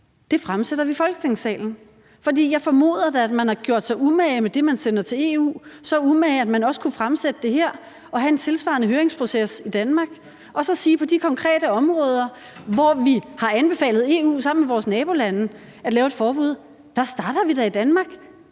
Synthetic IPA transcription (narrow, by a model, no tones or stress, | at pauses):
d̥e̝fʁamseɾ̥ɐʋifɒ̽lɡ̥ət͡sʰe̝ŋsɛ̰ːln̩ | fɒ̽d̥ḭːjɑ̈ɪfɒ̽mo̝̰ːð̞̰ˠɐd̥eæd̥mænhɑ̈ɡ̥jo̝ɐ̰d̥sɑumɛɪmed̥e̝mænsenɐt͡sʰe̝le̝̰ṵːsɒ̽umɛɪæd̥mænɒ̽sə̥kʰufʁamsed̥əd̥e̝ɦeɐ̰ | ɒ̽ɦæe̝nt͡sʰe̝lsʋɑ̰̈ːnəɦøːɐʁeŋspʰʁo̝sesid̥ænmɑ̈ːɡ̥ | ʔɒ̽sɒ̽siːpʰɒ̽d̥ikʰɒ̽ŋkʰʁɛ̰ːɾ̥əɒ̽mʁɔ̽ːð̞ˠɐ | ʋɒʋihɑ̈ænb̥e̝fɛ̰ːlð̩ˠe̝̰ːṵːsɑ̈m̰n̩meʋɒːsnɛːb̥o̝lænə | æd̥lɛːʊed̥fɒːb̥uð̞̰ˠ | d̥ɑsd̥ɑ̈ːɾ̥ɐʋid̥æid̥ænmɑ̈ːɡ̥